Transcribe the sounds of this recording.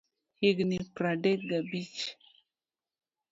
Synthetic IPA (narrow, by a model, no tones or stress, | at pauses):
hiɡnipɾaɖeɡabit͡ʃ